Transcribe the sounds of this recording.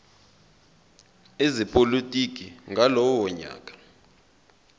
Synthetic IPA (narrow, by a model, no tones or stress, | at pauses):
ezipʼolitʼik̬ʼiŋɡʱalɔwɔɲa̰ːkʼḁ